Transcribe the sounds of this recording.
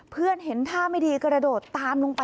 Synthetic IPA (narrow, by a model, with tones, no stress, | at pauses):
pʰɯ˥˩ənɦe˩˦nt̪ʰaː˥˩ma˥˩jdiː˧kɾa˧doː˨˩t̪ːaː˧nlo˧ŋpa˧